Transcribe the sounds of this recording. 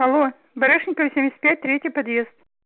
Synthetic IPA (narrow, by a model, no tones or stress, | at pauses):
xɐlˠo | bɐɾɨʂnʲɪkəvəsʲemʲɪsʲət̪̚pʲæt̚ʲt̪ɾʲetʲjɪpɐd̪jest̪̚